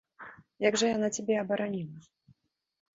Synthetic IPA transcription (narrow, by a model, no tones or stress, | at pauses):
jaɡʐɐjanat͡sʲabʲɛɐbɐɾanʲilˠɐ